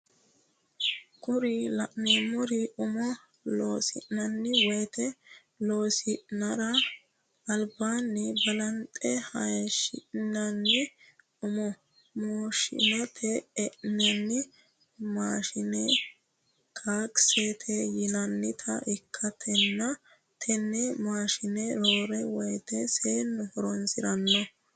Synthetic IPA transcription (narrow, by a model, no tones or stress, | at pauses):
kʊɾɪlɐʔnemʊɾɪʊmɔ | loːsɪ̰ʔnɐnːɪwɔjt̪ɛ | lo̞ːsɪʔnɐɾɐ | ɐlbaːnːɪbɐlɐnt̪ʼɛhɐjʃɪ̰nɐnːɪ | ʊmɔ | moːʃɪ̰nɐt̪ʰɛːʔnɛnːɪ | maːʃɪnɛ | kʰaːkset̪ʰɛjɪnɐnːɪt̪ʰɐ̰ɪkʰːɐt̪ʰɛnːɐ | t̪ʰɛnːɛmaːʃɪnɛɾoːɾɛwɔjt̪ɛseːnːʊhɔɾɔnsɪɾɐnːɔ